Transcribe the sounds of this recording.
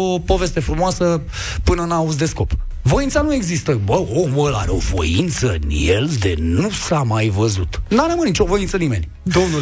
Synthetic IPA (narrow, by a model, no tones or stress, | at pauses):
opo̞ve̞st̪e̞fɾumoasə | pɨnənauz̬d̪e̞sko̞p | vo̞jintsanue̞ɡzist̪əbəoməla̰ɾeo̞̰vo̞̰jḭnt̪sənjeld̪enusamajvəzut̪naɾəmɨnnit͡ʃo̞vo̞jint̪sənime̞̰nʲ | d̪o̞mnu